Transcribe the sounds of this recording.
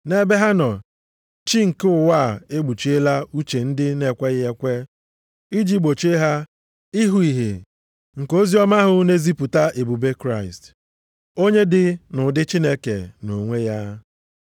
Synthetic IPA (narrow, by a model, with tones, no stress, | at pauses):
ne˦be˦ɦa˦nɔ˨ | t͡ʃi˦ŋ̩˨ke˦ʊ˨wa˦˨e˦ɡ͡bu˨t͡ʃi˦e˦la˦u˦t͡ʃe˨n̩˦dɪ˦ne˨kʷe˦ɣɪ˦e˦kʷe˦ | i˦d͡ʒi˦ɡ͡bo˨t͡ʃe˦ɦa˦ | i˦ɦu˨i˨ɦe˨ | ŋ̩˨ko˦zi˦ɔ˦ma˦ɦʊ˦ne˦zi˦pu˨ta˦ʔe˨bu˨be˦kɾa˦˨ḭ˨st | o˦ɲe˦dɪ˦nʊ˨dɪ˦t͡ʃi˦ne˦kḛ˨no˨ŋʷe˦ja˦